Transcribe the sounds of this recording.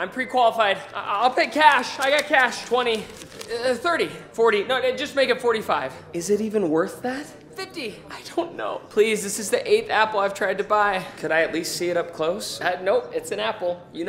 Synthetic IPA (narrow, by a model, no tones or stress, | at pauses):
ãɪ̃mpʰɹ̥ikʰw̥ɑlˠəfaɪd̥̚aɪlˠpʰɪt̚kʰæʃaɪɡɑt̚kʰæʃtʰw̥ɛ̃ɾ̃i | θɜ˞ɾifɔɹɾinoʊd͡ʒʌs̚meɪkɨtfɔɹɾifaɪv̥ɨzɨɾivɨ̃nwɜ˞θðæt̚ | fɪfti | aɪdõʊ̃nːo̰ʊpʰl̥izðɪsɨzðiʔeɪθæpl̩ˠaɪv̥tʰɹ̥aɪd̚tɨbaɪkʰɨɾaɪɨtˡlistsiɨɾʌp̚kʰl̥oʊsʌnoʊɨtsɨ̃næpl̩ˠjɨn